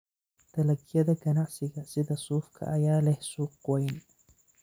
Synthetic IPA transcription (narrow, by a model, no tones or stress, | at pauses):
t̪ʰɐlɐɡjɐðɐɡɐnɑʕsɪɣɐsɪðɐsuːfkʰɐ̰ʔɐjaːlɛhsuːqwɛjn